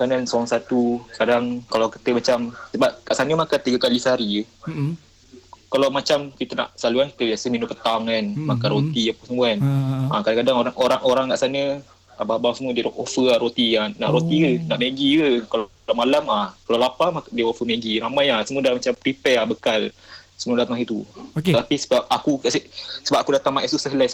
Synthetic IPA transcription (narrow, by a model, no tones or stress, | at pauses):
kanansəaŋsat̪ukadaŋkalawki̥t̪əmat͡ʃamsəbap̚kaʔsanəmakant̪iɡəkalisaɾiə | kalawmat͡ʃamkit̪əna̰ʔsaluanki̥t̪əbiasəminupət̪aŋanmakanɾot̪iapəsəmũanakadaŋkadaŋoɾaŋoɾaŋʔoɾaŋkaʔsanə | ababasəmədiɾoʔofəaɾot̪iana̰ʔɾot̪iənaʔmeɡikəkaldamalamakalalapamakdiofəmeɡiɾamajasəmuədamat͡ʃampɾipɛabəkalsəmuədapət̪aŋit̪utt̪apisəbap̚akukaʔsəsəbapʔakudat̪aŋmaʔɛsusəɦlas